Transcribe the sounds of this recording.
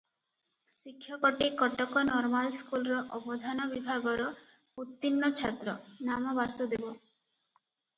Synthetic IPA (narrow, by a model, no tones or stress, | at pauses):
sikʰːjɔkɔʈikɔʈɔkɔnɔɾmalskulɔɾɔʔɔbɔd̪ʱanɔbibʱaɡɔɾɔ | ut̪ːinːɔt͡ʃʰat̪ɾɔnamɔbasɔd̪ebɔ